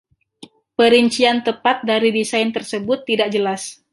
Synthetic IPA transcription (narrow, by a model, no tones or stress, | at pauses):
pəɾiɲt͡ʃiant̪əpat̪̚daɾidisajnt̪ərsəbʊt̪ːidaʔ̚d͡ʒəlas